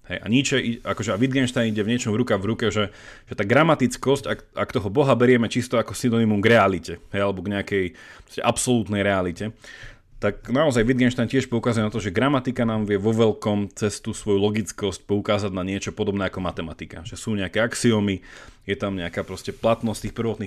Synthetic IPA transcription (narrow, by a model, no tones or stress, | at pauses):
ɦɛjʔa̰ɲit͡ʃɛiakɔʒɛaʋid̪ɡɛnʃt̪aɪniɟɛvɲɪɛt͡ʃɔmvɾukaɣvɾukɛʒɛʒ̥ɛt̪aːɡɾamat̪it͡skɔscaka̰kt̪ɔɦɔbɔɦabɛɾɪɛmɛt͡ʃist̪ɔakɔsinɔnimumɡɾɛalicɛɦɛjalɛbɔɡɲɛakɛjpɾɔscɛ̰ʔapsɔlut̪nɛjɾɛalicɛ | t̪ak̚naɔzajʋid̪ɡɛnʃt̪ajncɪɛʃpɔukazujɛnat̪ɔʒɛɡɾamat̪ikanaːmʋɪɛʋɔʋɛlkɔmt͡sɛst̪usʋɔjulɔɡit͡skɔsc̚pɔukaːzaɟnaɲɪɛt͡ʃɔpɔd̪ɔbnɛːakɔmat̪ɛmat̪ika̰ʒɛsuːɲɛakɛaksiɔmijɛt̪amɲɛakaːpɾɔscɛplat̪nɔst̪iːxpr̩ʋɔt̪ni